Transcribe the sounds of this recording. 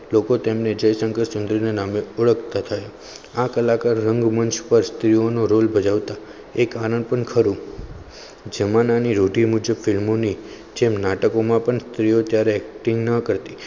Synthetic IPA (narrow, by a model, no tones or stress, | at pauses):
lokot̪emned͡ʒəjsə̃ŋɡəɾsʊnd̪ɾinanameʊɭəkt̪at̪ʰəjo | akəlakaɾːəŋɡmənʃpəɾst̪ɾijonoɾolbʱəd͡ʒaʋt̪a | ekaɾəɳpəɳkʰəɾũ | d͡ʒəmananiɾoɖimud͡ʒəbfɪlmoni | d͡ʒemnaʈəkomãpəɳst̪ɾiot̪jaɾeɛk̚ʈɪ̃ŋɡnəkəɾt̪i